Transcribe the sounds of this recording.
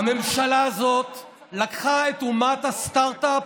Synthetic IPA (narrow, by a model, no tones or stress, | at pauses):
ame̞mʃalaːzo̞t̪ | lakχae̞t̪umat̪hast̪aʁt̪ap